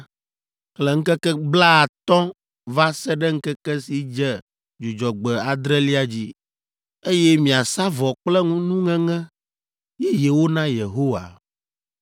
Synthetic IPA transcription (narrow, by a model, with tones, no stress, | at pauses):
klɛ˨ŋ̩˦kɛ˦kɛ˦bla˦a˨t̪ɔ̃˦ | va˦sɛ˦ɖɛ˦ŋ̩˦kɛ˦kɛ˦si˨d͡ʒɛ˦ | d͡ʒu˨d͡ʒɔ˨ɡ͡bɛ˨a˨d̪ɾɛ˦li˦a˨d͡ʑi˦ | e˦jɛ˦mĩ˨a˨sa˦vɔ˨k͡plɛ˦ŋũ˦nũ˦ŋɛ̃˦ŋɛ̃˦ | jɛ˦je˨wo˦nã˦je˨ɦo˦wa̰˨